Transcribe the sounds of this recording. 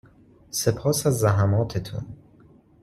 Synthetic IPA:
sepʰɒːsæzːæɦæmɒːt̪ʰet̪ʰṵn

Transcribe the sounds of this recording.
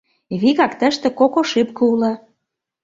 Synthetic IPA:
βiɣɑkt̪ə̆ʃt̪ĕkokoʃypkɤ̆ulɑ

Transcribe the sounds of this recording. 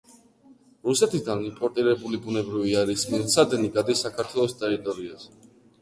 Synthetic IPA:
ɾusɛt̪ʰid̪animpʼɔɾt̪ʼiɾɛbulibunɛbɾiviaɾismilt̪sʰad̪ɛniɡad̪ɛsakʰaɾt̪ʰwɛlˠɔst̪ʼɛɾit̪ʼɔɾiazɛ

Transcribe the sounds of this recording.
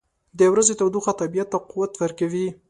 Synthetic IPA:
d̪ewɾazet̪awd̪uxat̪abijat̪ːaqʊwat̪wəɾkawi

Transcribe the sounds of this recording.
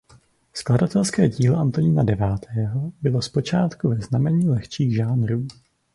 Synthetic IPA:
skladat̪ɛlskɛːɟiːloʔant̪oɲiːnadɛvaːt̪ʰɛːɦo̞bɪlo̞spo̞t͡ʃaːt̪kuvɛznamɛɲiːlɛxt͡ʃiːɣʒaːnɾuː

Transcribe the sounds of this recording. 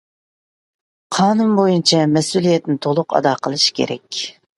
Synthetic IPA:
qʰɑːnumbojunt͡ʃʰɛmɛsulˠijɛt̪nɪt̪ʰolˠʊqɑ̰d̪ɑːqʰəlˠɨʃkʲʰḛɾɛ̰kʲ

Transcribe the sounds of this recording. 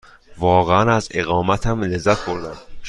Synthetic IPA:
vɒːɣeænæzeɣɒːmæt̪ʰæmlezːæt̪xoɾd̪æn

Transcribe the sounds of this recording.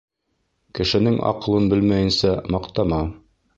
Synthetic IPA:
kɘ̆ʃɘ̆nɘŋɑ̰qɤ̆lˠɤnbɘlmæjɘ̆nsæmɑqt̪ɑmɑ

